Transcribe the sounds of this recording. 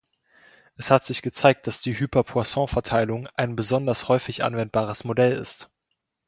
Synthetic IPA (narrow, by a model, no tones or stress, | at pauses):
ʔɛshatz̥ɪçɡ̥ət͡saɪk̚t̚d̥asd̥iːɦyːpɛɐpʰuasɑ̃fɛɐtʰaɪlʊŋʔaɪnbəzɔndɐshɔʏfɪçʔa̰nvɛnt̚b̥aːʁ̞əsmodɛlɪ̰st